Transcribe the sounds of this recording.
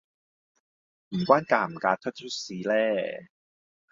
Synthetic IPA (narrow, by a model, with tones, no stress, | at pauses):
m̩˨˩kwaː˥nkaː˧m̩˨˩kaː˨˧˥t̪ʰɵ˥t̚t͡ɕʰu˥siː˨˦˥lɛː˥˩